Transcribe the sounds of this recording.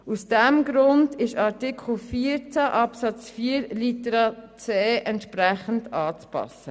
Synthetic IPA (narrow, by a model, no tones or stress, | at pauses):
usd̥ɛmɡɾʊndɪʃɑɾtikʰχl̩fiːəɾt͡sæʔɑpsɑt͡sfiːəɾlitəɾɑt͡sɛːʔɛntʃpɾæχən̩dɑːt͡spɑ̰sə